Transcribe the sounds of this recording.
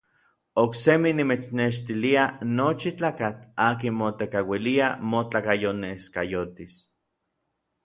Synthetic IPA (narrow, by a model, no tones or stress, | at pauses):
okseminimet͡ʃneʃt̪ilianot͡ʃit͡ɬaːkat͡ɬaːkinmot̪ekawiliamot͡ɬakajoneskajot̪is